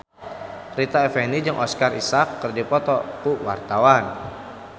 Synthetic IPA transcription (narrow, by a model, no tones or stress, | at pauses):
rit̪aɛfɛnid͡ʒɨŋʔɔskarisakːɨrdipɔt̪ɔkuwa̰rt̪awan